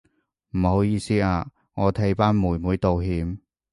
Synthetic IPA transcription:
m̩˨˩ho˨˥wjiː˧siː˥aː˧ | ŋɔː˨˧t̪ʰe˧jpaː˥nmuː˨˩jmuː˨˧jt̪o˨wɦiː˨˧m

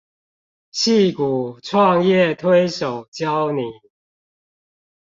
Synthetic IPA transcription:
ɕi˥˨ku˨˩ʈ͡ʂʰwɑ˥˧ŋjɛ˥˨t̪ʰwe˦ɪʂo˨˩ʊt͡ɕjɑ˦ʊni˨˩˦

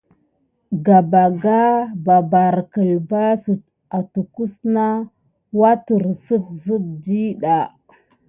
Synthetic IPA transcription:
ɡa˨ba˨ɡa˦ba˨ba˨ɾkə˨lba˦su˨ | a˨tu˨ku˦sna˦ | wa˦tu˨ɾsə˦t̚zə˦t̚di˦ɗa˨

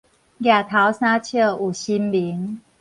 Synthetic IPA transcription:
ɡja˨˩t̪ʰa˨˦wsa˦˥t͡ɕʰjə˥˧˨u˨˩ɕi˦nli˨˦ŋ

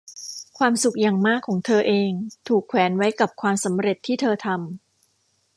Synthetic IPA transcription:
kʰwaː˧msu˨˩k̚ja˨˩ŋmaː˥˩kʰːɔː˩˦ŋt̪ʰɤː˧ʔeː˧ŋt̪ʰuː˨˩kʰwɛː˩˦nwa˦˥jka˨˩p̚kʰwaː˧msa˩˦mɾe˨˩t̪ʰːiː˥˩t̪ʰɤː˧t̪ʰa˧m

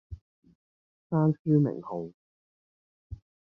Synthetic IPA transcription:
saː˥nskiː˥wmɪ̰˨˩ŋho˨˩w

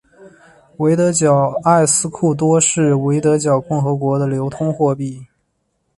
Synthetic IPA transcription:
we˧˥ɪt̪ɤ˧˥t͡ɕjɑ˨˩ʊa˥˩ɪsɹ̩˥kʰu˥˩t̪̬wɔ˥ʂɻ̩˥˩we˧˥ɪt̪̬ɤ˧˥t͡ɕjɑ˨˩ʊkʊ˥˩ŋxɤ˧˥kwɔ˧˥d̪ə˧ljo˧˥ʊt̪ʰʊ˥ŋxwɔ˥˧pi˥˩

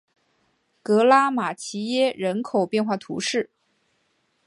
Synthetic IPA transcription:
kɤ˧˥la˥ma˨˩t͡ɕʰi˧˥jɛ˥ɻə˧˥nkʰo˨˩ʊpjɛ˥˧nxwa˥˩t̪ʰṵ˧˥ʂɻ̩˥˩

